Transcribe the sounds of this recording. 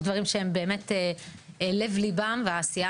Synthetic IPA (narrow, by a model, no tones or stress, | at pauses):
d̪vaʁimʃeembe̞ːme̞te | ele̞vlibamveaːsia